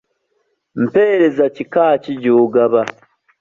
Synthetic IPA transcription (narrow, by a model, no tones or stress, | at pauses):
m̩pe̞ːɾe̞zacikaːciɟoːɡaβa